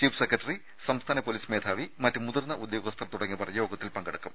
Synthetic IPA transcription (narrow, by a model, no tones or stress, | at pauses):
t͡ɕiːfsekːrɐʈːɐri | sɐmst̪ʰaːnɐpoːliːsmeːd̪ʰʱaːʋimɐtːumuðɐrnːɐʔud̪jo̞ːɣɐst̪ʰɐrt̪uɽɐŋːipɐrɐjjo̞ːɡɐt̪ːilpɐŋɡɐɽukːum